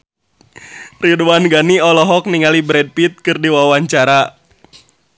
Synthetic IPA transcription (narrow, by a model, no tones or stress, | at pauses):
riduwanɡaniɔlɔɦɔk̚niŋalibɾɛd̚pit̪̚kɨrdiwawaɲt͡ʃaɾa